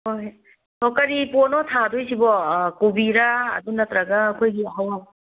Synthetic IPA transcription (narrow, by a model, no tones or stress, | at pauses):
ɦoj | tʰɔkɐɾiponɔtʰadojsibɔkubiɾa̰ːd̪unɐt̪ɾɐɡaːkʰojɡiɐɦawaw